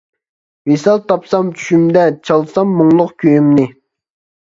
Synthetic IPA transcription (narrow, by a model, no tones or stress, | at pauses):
vesɑlˠt̪ɑpsɑmt͡ʃʰy̥ʃymd̪ɛt͡ʃʰɑlˠsɑmːʊŋlˠʊqkʲʰøjymnɪ